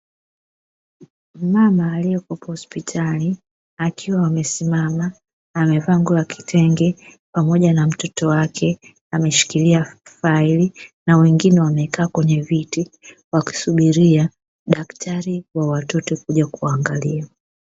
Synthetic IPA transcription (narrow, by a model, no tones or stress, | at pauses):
mamaːliɛkɔpɔhɔspitʰali | akiwaːmɛsimamaː | mɛvaŋɡuaki̥tʰɛŋɡɛ | pamɔʄanam̩tɔtɔwakʰɛ | amɛʃi̥kiliafailinawɛŋɡinɛwamɛkaːkwɛɲɛviti | waki̥suɓiɾia | ɗaktʰaɾiwawatɔtɔkuʄakuaŋɡalia